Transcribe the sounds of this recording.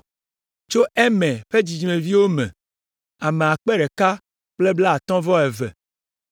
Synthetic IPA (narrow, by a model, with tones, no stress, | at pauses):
t͡ʃo˦ʔɛ˦mɛ̃˨ɸe˦d͡ʑi˨d͡ʒmẽ˨vi˦wo˦mɛ̰̃˨ | a˨me˨a˨k͡pɛ˦ɖɛ˨ka˦ | k͡ple˦bla˦a˨t̪ɔ̃˦vɔ˦ɛ˨vɛ̰˨